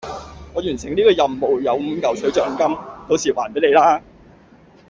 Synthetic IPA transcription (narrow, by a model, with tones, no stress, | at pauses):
ŋɔː˨˧jyː˨˩nsɪ˨˩ŋniː˥kɔː˧jɐ˨mːo˨wjɐ˨˧wm̩˨˧kɐ˨wsɵ˨˥ɥt͡sœː˨˩ŋkɐ˥mt̪o˧˥wsiː˨˧wʔaː˨˩npe˨˥le˨˧jlaː˥